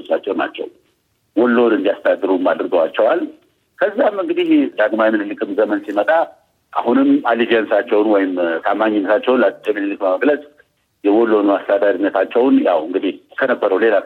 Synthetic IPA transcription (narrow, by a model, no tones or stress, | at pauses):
sat͡ʃːɛwna̰t͡ʃːɛ̰w | wɔlːonɨnd̪ijast̪əad̪ːɨɾumad̪ɾɨɡəwat͡ʃːɛwal | kʰəzːamːɨŋɡɨd̪ihd̪aɡmajmɨnɨlɨkʰɨmzəmənsimət̪ʼa | ʔa̰hunɨmalid͡ʒijənsat͡ʃːɛwnwɔjɪmt̪ʰamːaɲːɪnːəsat͡ʃːɛwnlajɛmɨnɨlɨkməməɡləsʼ | jɛwɔlːo̞nmast̪əad̪aɾinːət̪ʰat͡ʃːɛwnja̰wɨŋɡɨd̪ihkʰənəbːəɾəwle̞la